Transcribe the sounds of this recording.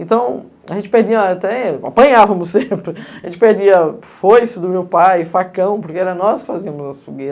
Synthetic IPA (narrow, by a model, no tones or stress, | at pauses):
ẽnt̪ɐ̃w̃ | aʒẽnt͡ʃɪ̥peɾd͡ʒiɐat̪ɛa̰pɐ̃ɲavɐ̃mʊsẽpɾɪaʒẽnt͡ʃɪpeɾd͡ʒiɐfojsɐd̪ʊmewpajɪfakɐ̃w̃poɾkeɛɾɐnɔskɪ̥faziɐmʊzɐsfuɡe